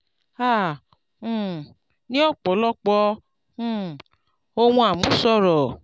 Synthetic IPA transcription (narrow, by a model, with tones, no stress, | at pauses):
ã˦˨˦ | nĩ˦ɔ˦˨k͡pɔ˨˦lɔ˦k͡pɔ̃˧˦ | o˧wũ˧a˨mũ˨˦sɔ˦˨ɾɔ˨